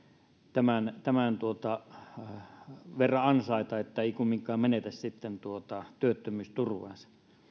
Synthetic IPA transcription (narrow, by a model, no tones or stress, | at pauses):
t̪æmænt̪æmænt̪uot̪ɑ | ʋerːɑɑnsɑˑit̪ɑet̪ːæeˑikumːiŋkˑɑːmmenet̪æssit̪ːent̪uot̪ɑt̪yøt̪ːømyːst̪urʋɑ̰nsɑ̥